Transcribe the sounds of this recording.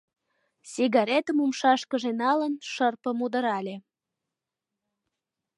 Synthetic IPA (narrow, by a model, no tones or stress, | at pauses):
siɣɑɾet̪əmumʃɑʃkəʒenɑlənʃərpəmud̪əɾɑlʲe